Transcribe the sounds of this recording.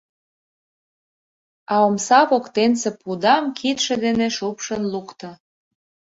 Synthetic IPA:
ɑomsɑβokt̪ensepud̪ɑmkʰit̪ʃĕd̪eneʃupʃənlukt̪ɤ̆

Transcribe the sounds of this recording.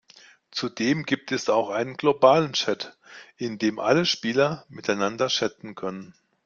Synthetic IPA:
t͡sudeːmɡiːp̚tʰɛsaʊxʔaɪnənɡlobaːlənt͡ʃɛt | ɪndeːmʔa̰ləʃpiːlɐmɪtaɪnandɐʃɛt͡sn̩kʰœnən

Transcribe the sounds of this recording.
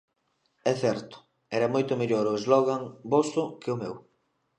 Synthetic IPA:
ɛθɛɾt̪ʊ̥ | ɛɾɐmojt̪ʊmeʎoɾʊezlɔɣaŋbosʊkɪʊmew

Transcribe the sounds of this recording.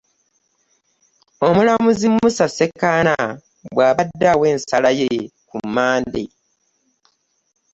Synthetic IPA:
o̞mulamuzimːusase̞kːana | bwaːβadːawe̞ːnsalajekumːaːnde

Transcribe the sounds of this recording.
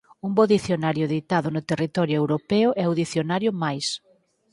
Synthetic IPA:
umboðiθjonaɾjʊðit̪aðʊnʊt̪erit̪ɔɾjʊewɾopɛʊʔɛuðiθjonaɾjʊmajs

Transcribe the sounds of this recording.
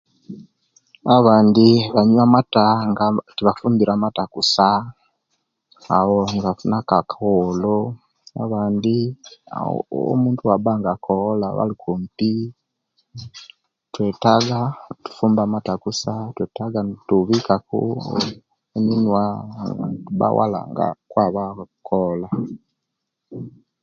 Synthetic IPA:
aβaːndiβaɲwamataŋɡatiβafuːmbiɾaːmatakusa | wonβafunakakolo | a̰βaːndia̰muːntuabaŋɡakʰolaβa̰likʰumpi | tweːtaɡatu̥fuːmbaːmatakusatwetaɡantuβikakṵ | eninwaŋɡa̰tuba̰wʔa̰la̰ŋɡa̰kwaːβaaukʰola

